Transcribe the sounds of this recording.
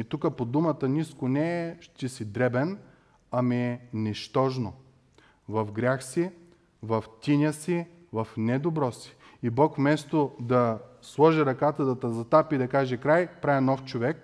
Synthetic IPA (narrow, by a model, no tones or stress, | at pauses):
it̪ukəpod̪umɐt̪əniskonɛːʃt̪ɛsid̪ɾɛbɛn | ɐmiɛnɛʃt̪ɔʒno | vɐfɡɾʲaxsi | vɐft̪ʲinʲəsi | vɐfnɛd̪obɾɔsi̥ibɔkfmɛst̪od̪ɐslˠɔʒiɾɐkat̪əd̪ɐt̪ɐzɐt̪apid̪ɐkaʒɛkɾajpɾavʲinɔft͡ʃovɛk̚